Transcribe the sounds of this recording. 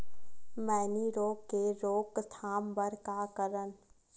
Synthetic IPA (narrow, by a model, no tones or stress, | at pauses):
mɛːniɾoːkːeɾoːkst̪ʰaːmbəɾkakəɾən